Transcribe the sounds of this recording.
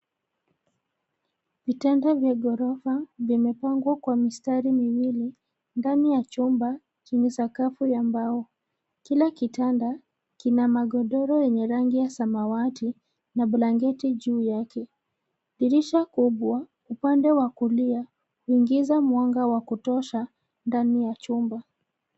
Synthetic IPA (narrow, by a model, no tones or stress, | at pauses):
vitandavjaɡɔɾɔfavimɛpaŋɡwakwamistaɾimiwili | ndanijat͡ʃumba | t͡ʃɛɲɛsakafujambaɔ | kilakitanda | kinamaɡɔɗɔɾɔjɛɲɛɾaŋɡijasamawati | naɓulaŋɡɛtiʄuːjakʰɛ | ɗiɾiʃakuɓwa | upandɛwakulia | huiŋɡizamwaŋɡawakutɔʃa | ndanijat͡ʃumba